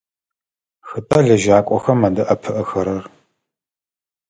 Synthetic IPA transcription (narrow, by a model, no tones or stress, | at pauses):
xɨtʼɐɮɐʒaːkʷʼɔxɐmadɐʔɐpʰɨʔɐxɐɾɐr